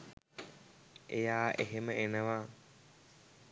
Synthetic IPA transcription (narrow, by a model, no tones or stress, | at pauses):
ʔejaːʔeɦeməʔenəʋaː